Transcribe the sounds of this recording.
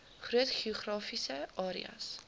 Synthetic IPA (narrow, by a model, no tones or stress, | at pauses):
χɾiɛt̪χiχɾɔfisɛɔɾḭa̰ns